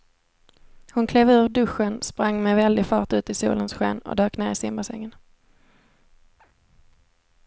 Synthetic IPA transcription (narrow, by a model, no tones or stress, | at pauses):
hʊnkʰleːvʉ̟ːɖɵɧːənspɾaŋːmɛvɛld̪ɪfɑːʈʉ̟ːt̪ɪsṵːlənsɧɛ̰ːnɔ̰d̪øːkneːɾɪsɪmbəsɛ̰ŋːən